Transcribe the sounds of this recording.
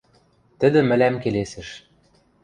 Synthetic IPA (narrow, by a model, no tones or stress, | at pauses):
t̪ɘ̆d̪ɘ̆mɘ̆læmkelesɘ̆ʃ